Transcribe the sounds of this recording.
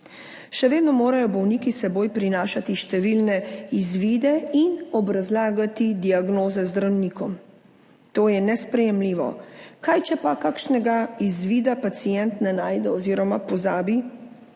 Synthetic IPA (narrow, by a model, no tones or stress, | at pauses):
ʃɛʋeːd̪nɔmoːɾajɔbɔwnikisɛboːjpɾinaːʃat̪iʃt̪ɛʋilnɛizʋiːd̪ɛinɔbɾazlaːɡat̪id̪iaɡnoːzɛzd̪ɾawnikɔm | t̪oːjɛnɛspɾɛjɛmliːʋɔ̰kajt͡ʃɛpakakʃnɛɡaizʋiːd̪apat̪sijɛnt̪nɛnaːjd̪ɛɔziːɾɔmapɔzaːbi